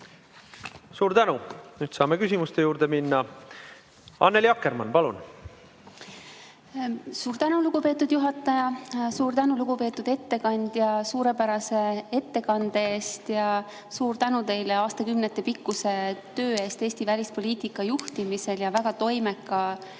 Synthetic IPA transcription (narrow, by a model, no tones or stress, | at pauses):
suːɾt̪ænunyːd̪̥sɑːmekysimust̪e̞juːɾd̪eminːɑ | ɑ̰nːeljɑkːˑeɾmɑ̰npɑlṵn | suːɾt̪ænuluɡ̥upe̞ːt̪ːˑud̪̥juɦɑt̪ːˑɑjɑsuːɾt̪ænuluɡ̥upe̞ːt̪ːˑud̪e̞t̪ːe̞kɑnʲd̪̥jɑsuːɾe̞pæɾɑse̞e̞t̪ːe̞kɑnd̪̥ee̞ːst̪jɑ | suːɾt̪ænut̪e̞jleɑːst̪ɑkymnet̪ːˑe̞pikːuse̞t̪ø̞ːe̞ːst̪e̞ːsʲt̪ivælʲispo̞lʲiːt̪ikːˑɑjuht̪imise̞ljɑvæɡ̥ɑt̪o̞jme̞kːˑɑ